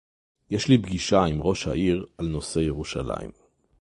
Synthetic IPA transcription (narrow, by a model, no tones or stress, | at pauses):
jeʃlibɡiʃaimʁo̞ʃha̰ʔiʁalno̞se̞jeʁuʃala̰ḭm